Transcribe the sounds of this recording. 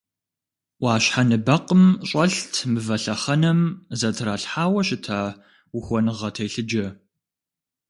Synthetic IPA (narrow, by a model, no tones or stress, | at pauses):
ʔʷɑːɕħanɨbɐqəmɕʼɐɬtʰmɨvɐɬɐχɐnɐmzɐtʰɾaːɬħaːwɐɕɪtʰaː | wuxʷɔnɨʁɐtʰejɬɨd͡ʒɐ